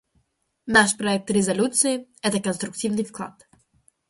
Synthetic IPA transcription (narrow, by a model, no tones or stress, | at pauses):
naʃpɾɔɛk̚t̪ɾɛzɐlʲut̪siiɛt̪ɛkonst̪ɾuk̚t̪ivnifklˠa̰t̪